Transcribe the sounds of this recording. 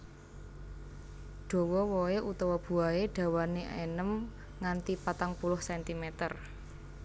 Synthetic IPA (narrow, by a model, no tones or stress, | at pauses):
ɖ̥ɔ̤wɔwɔeʔut̪ɔwɔb̥ṳaeɖ̥ä̤waneʔenəm | ŋant̪ipat̪aŋpulʊhsɛnt̪imɛt̪ər